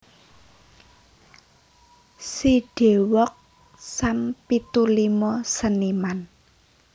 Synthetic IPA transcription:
siɖ̥e̤wɔk̚ | sampit̪ulimɔsəniman

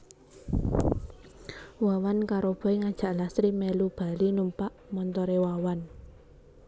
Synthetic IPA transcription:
wawankaɾob̥ɔ̤eŋad̥ʒ̥a̤ʔlasɾimelub̥a̤linumpaʔmɔnt̪ɔɾewawan

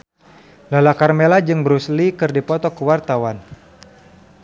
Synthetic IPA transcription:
lalakarmelad͡ʒɨŋbəɾuslikɨrdipɔt̪ɔkəwart̪awan

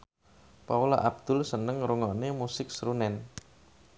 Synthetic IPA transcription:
paula̰ʔab̚d̪̥ʊ̤lsənəŋɾuŋɔnemusɪk̚sɾunɛn

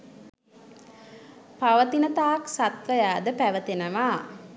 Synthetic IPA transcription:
paʋət̪inət̪aːksat̪ʋəjaːd̪əpæʋət̪enəʋaː

